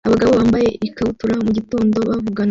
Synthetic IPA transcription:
aβaɡaβo̞βaːmbaje̞ʔikautuɾamuɟito̞ːndo̞βavuɡan

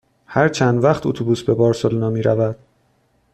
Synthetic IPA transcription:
hæɾt͡ʃʰænd̪væχt̪ʰṵt̪ʰubuːsbe̞bɒːɾsolnɒːmiːɾævæd̪̥

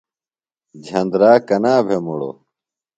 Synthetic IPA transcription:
d͡ʑʱɐ̃nd̪ɾaːkɐnaːbʱemuɽo̰

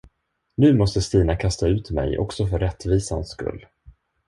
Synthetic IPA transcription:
nʉ̟ːmɔst̪əst̪iːnakʰast̪aʉ̟ːt̪mɛ̰jʔɔ̰ksɔfœɾːɛt̪ːviːsanskɵ̰lː

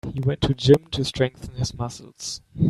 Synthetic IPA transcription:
hiwɛ̃ntʰɨd͡ʒɪ̃mtʰɨstʰɹ̥ɛ̃ŋk̚θə̃n̩ɪzmʌsl̩ˠz̥

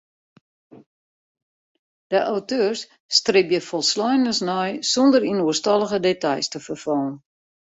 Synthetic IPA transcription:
d̥əʔawtøərsː | trɪpjəfɔlˠslɔjnəsnɔjsɔndəɾinuəstɑlˠəɣədetɑjstəfərfɔːən

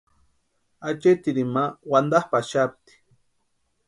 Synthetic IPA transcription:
at͡ʃet̪iɾimawand̪ahpaʃap̚t̪i̥

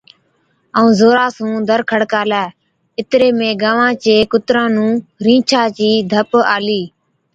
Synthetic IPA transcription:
əũːzoːɾaːsũːd̪ʱəɾkʰəɽkaːlɛː | ɪt̪ɾeːmẽːɡaːʋãːt͡ʃeːkʊt̪ɾãːnũːɾĩːt͡ʃʰaːt͡ʃiːd̪ʱəpa̰ːliː

